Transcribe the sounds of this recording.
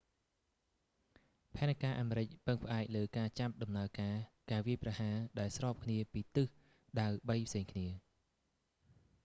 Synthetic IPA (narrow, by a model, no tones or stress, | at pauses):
pʰaɛnakaːʔaːmeːɾɨc̚pɨŋpʰə̆ʔaɛk̚ləːkaːt͡ɕap̚ɗɑmnaəkaːkaːʋiəjprɑhaːɗaɛlsrɑːp̚kʰniəpiːt̪ɨh | ɗawɓəjpʰseːŋkʰniə